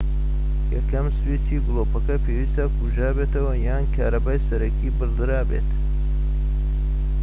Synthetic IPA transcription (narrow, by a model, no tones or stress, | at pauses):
jɐ̰kʰɐmsɨwisiːɡɨlˠoːpɐkɐpʰeːwist̪ɐkʰuʒaːbeːt̪ʰɐwɐjaːnkʰaːɾɐbaːjsɐɾɐkʰiːbɨɾd̪ɨɾaːbḛːt̪